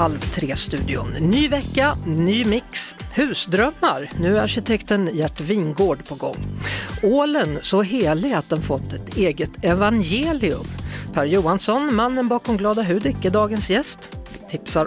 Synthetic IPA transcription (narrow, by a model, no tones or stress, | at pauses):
halvt̪ʰɾeːst̪ʉ̟ːd̪ɪʊ̰nnyːvɛkːanyːmɪkshʉ̟ːsd̪ɾœmːaɾnʉ̟ːæɾaɾɕɪt̪ʰɛkt̪ənjæʈːviːnɡoːɖpʰɔɡɔ̰ŋːoːlənsɔɦeːlɪat̪̚d̪ɛnfɔt̪ːɛt̪eːɡət̪ɛvanjeːlɪɵ̰mpʰæːɾjuːansɔnmanːənbɑːkɔmɡlɑːd̪aɦʉ̟ːd̪ɪkːəd̪ɑːɡənsjɛst̪vɪt̪ʰɪpsaɾ